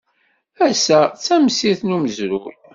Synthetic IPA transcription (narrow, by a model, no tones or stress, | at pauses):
æsːæt͡sːæmsiθnuməzɾul